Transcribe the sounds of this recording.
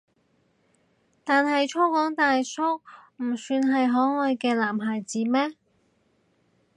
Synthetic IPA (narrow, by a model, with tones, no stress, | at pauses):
t̪aː˨nɦɐ˨jt͡ʃʰo˥wkɔː˨˥ŋt̪aː˨jsʰo˥wm̩˨˩syː˧nɦɐ˨jɦɔː˨˥ŋɔː˧jkɛː˧laː˨˩mɦaː˨˩jt͡siː˨˥mɛː˥